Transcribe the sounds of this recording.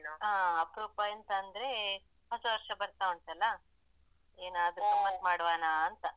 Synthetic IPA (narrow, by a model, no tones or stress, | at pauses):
noaːɐpɾuːpajɐnt̪ɐːnd̪ɐɾe̞ | ɦɐt̪ːuʋɐɾʂɐbɐɾt̪auɳʈ̪ɐlːɐ | eːnaːd̪ɾusɐmːɐnd̪maːɽʋaːnaːnt̪ɐ